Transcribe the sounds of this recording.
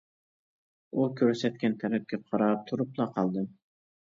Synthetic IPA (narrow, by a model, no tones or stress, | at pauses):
ukʲʰɵɾsɛt̪kʲɛnt̪ʰæɾɛp̚kʲɛqʰɑɾɑp̚t̪ʰuɾuplˠɑqʰɑlˠd̪ɨm